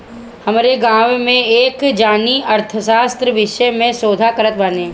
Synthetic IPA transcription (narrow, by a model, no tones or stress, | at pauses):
hɐmɾeɡãːwmẽeːkd͡ʒaːniɐɾt̪ʰəʃaːst̪ɾəʋɪʃəmẽsoːd̪ʱakəɾət̪ʋanẽː